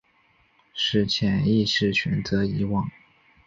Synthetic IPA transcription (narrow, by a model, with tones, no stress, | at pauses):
ʂɻ̩˥˩t͡ɕʰjɛ˨˩ni˥˧ʂɻ̩˥˩ɕɥɛ˨˩nt͡sɤ˧˥i˧˥wɑ˥˩ŋ